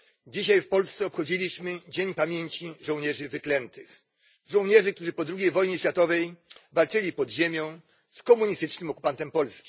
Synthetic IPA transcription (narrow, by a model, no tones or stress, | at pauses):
d͡ʑiɕajfpɔlst̪sɛɔpxɔd͡ʑilʲiɕmɘd͡ʑeɲpamʲjeɲʲt͡ɕiʐɔ̃wɲɛʐɘvɘklɛnt̪ɘx | ʐɔ̃w̃ɲɛʐɘkt̪uʐɘpɔd̪ɾuɡʲejvɔjɲɛɕfʲjat̪ɔvɛjvalt͡ʂɘlʲipɔd̪ʑemʲjɔ̃w̃ | skɔmuɲist̪ɘt͡ʂnɘmɔku̥pant̪ɛmpɔlskʲi̥